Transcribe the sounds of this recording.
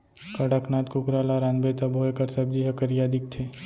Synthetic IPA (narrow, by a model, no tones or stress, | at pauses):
kɐɽakʰnaːt̪kʊkɾaːlaɾaːnbeːt̪abʱoːjkəɾsɐb̚d͡ʒiɦɐkəɾjaːd̪ɪk̚t̪ʰeː